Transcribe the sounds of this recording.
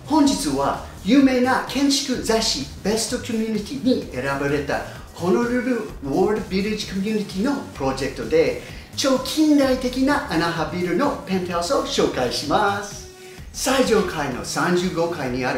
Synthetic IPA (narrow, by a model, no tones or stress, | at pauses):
hõ̞ɲ̟d͡ʑit͡sɨβa | jɯːme̞ːnakʰẽ̞ɲ̟t͡ɕi̥kɯ̟zaɕib̥e̞st̪o̞kʲomʲjuɲʲit̪ʲiɲ̟ie̞ɾabaɾe̞t̪a̰ | kʰo̞noɾɯɾɯ̟woɾd̪biɾid͡ʑi̥komʲjɯɲ̟it̪ʲino̞pɯ̟ɾo̞d͡ʑe̞kɯ̟̥t̪o̞d̪e̞ | t͡ɕo̞ːkʲʰĩnd̪ait̪e̞kʲinaʔanaɦabʲiɾɯ̟no̞pẽ̞nt̪asoɕo̞ːkaiɕimasɨ̥ | said͡ʑõ̞ŋkʰaino̞̰sãɲd͡ʑɨːɡo̞kaiɲ̟iaɾɯ̟